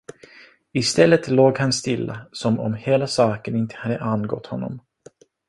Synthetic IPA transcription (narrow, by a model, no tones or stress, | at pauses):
ɪst̪ɛlːət̪loːɡhanst̪ɪlːasɔmɔ̰mheːlasɑːkənɪnt̪ʰə̥had̪ːəʔanɡɔ̰t̪hɔnːɔ̰m